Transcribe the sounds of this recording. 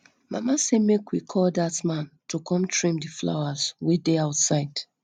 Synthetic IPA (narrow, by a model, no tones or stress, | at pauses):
ma̰masemekwikʰɔldatmãntukʰɔ̃mtʰɹĩmdifla̰wazwedeaʊtsaɪd̥